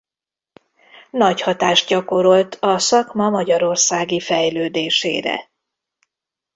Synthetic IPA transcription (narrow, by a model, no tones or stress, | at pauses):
nɒchɒt̪aːʃ̚ɟɒko̞ɾo̞lt̪ʰɒsɒkmɒmɒɟɒɾo̞rsaːɡifɛjløːd̪eːʃḛːɾɛ̰